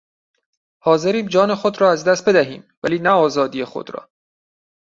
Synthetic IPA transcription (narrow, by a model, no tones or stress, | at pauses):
hɒːze̞ɾiːmd͡ʒɒːne̞xo̞d̪ɾɒːæzd̪æst̪̚be̞d̪æɦḭːmvæliːnæɒːzɒːd̪ije̞xo̰d̪ɾɒ̰ː